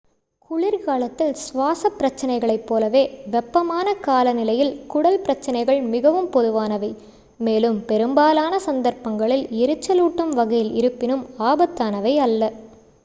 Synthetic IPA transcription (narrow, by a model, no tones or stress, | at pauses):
kʊɭɪɾkaːlɐt̪ːɪlsʋaːsɐpːɾɐt͡ʃːɐnɐɪɣɐɭɐɪpːoːlɐʋeːʋɛpːɐmaːnɐkaːlɐnɪlɐjɪlkʊɽɐlpɪɾɐt͡ʃːɐnɐɪɣɐɭmɪɣɐʋɯmpɔðɯʋaːnɐʋɐɪ | meːlɯmpɛɾɯmbaːlaːnɐsɐnd̪ɐɾpɐŋɡɐɭɪlɪɾɯt͡ʃːɐluːʈːɯmʋɐɣɐjɪlɪɾɯpːɪnɯmaːbɐt̪ːaːnɐʋɐɪɐlːɐ